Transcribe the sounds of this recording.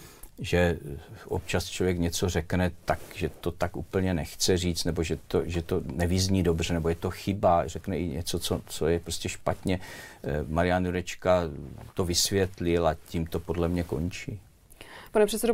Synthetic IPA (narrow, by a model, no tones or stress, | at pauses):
ʒɛʔo̰p̚t͡ʃast͡ʃlovjɛkɲɛt͡so̞rɛknɛt̪akʒɛt̪o̞t̪akʔṵːpl̩ɲɛnɛxt͡sɛriːt͡st̪nɛboʒɛt̪oʒɛt̪onɛvɪzɲiːdo̞br̝ɛnɛbojɛt̪o̞xɪbarɛknɛʔɪɲɛt͡so̞t͡so̞t͡sojɛpɾoscʲɛʃpat̪ɲɛ | maɾɪjanuɾɛt͡ʃkat̪o̞vɪsvjɛt̪lɪlaciːmt̪o̞po̞dlɛmɲɛko̞̰nt͡ʃiː | panɛpr̝̥ɛt̪sɛdo